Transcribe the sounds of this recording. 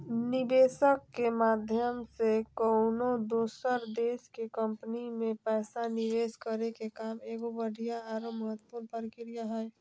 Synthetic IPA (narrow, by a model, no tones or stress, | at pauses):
nɪbeːsəkːemaːd̪ʱjəmsekəʊnod̪oːsəɾd̪eːskekəmpənimẽpɛːsanɪʋeːskəɾekekaːmeːɡobəɽ̤ʱijaaɾoməɦət̪ːə̥puːɾpəɾɪkɾijaɦɛ